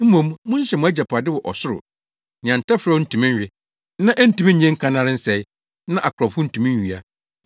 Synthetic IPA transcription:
m̩˦mũ˨mmʊ̃˦ɲ˦ɕɛ˨mʊ̃˨æ˦d͡ʑa˨pʰa˨dɪ˦wɔ˨ʔɔ˨sʊ˦ɾʊ̰˨ | nɪ̃˨ã˨n˨tʰa˦fɾa˦ʊ˦n̩˦˨tʰũ˨mĩ˦ɲ˦ɥᶣɪ˨ | nã˦ʔɛ˦n̩˦tu˨mĩ˦ɲ̩˦ɲɛ̃˦ŋ̩˦kʰã˦nã˦ɾɪ˦n̩˦sɛ˨ɪ˦ | nã˦ʔa˨kʰʊ˨ɾɔ˨fʊ˦n̩˦tʰũ˨mĩ˦ɥi˨a˦

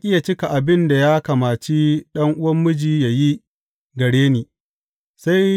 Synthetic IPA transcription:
ʔʲʼɪ˦ja˨t͡ʃɪ˦ka˨ʔa˨bɪ˦nda˨jaː˦kɐ˨maː˨t͡ʃi˦ɗɐ˦ŋʔʊ˦wɐ˦mːʊ˦d͡ʒiː˨ja˨ji˦ | ɡɐ˨ɽeː˦neː˨ | sa˦j

